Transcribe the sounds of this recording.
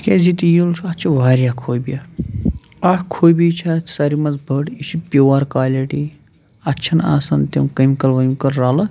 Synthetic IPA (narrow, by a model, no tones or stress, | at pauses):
kʲeːzit̪ijilsʰuɐtt͡ʃʰiʋaːɾjaːkʰoːjbijɐ | ahkʰoːjbit͡ʃʰaːt̪ʰʲsɐɾimɐzbʱɐʈit͡ʃʰipʲoːwaːɾkaːlʲɐʈi | ɐtːt͡ʃʰɐna̰ːsɐnt̪emkɐmikɐlʋɐmikɐɾɾaːlɐ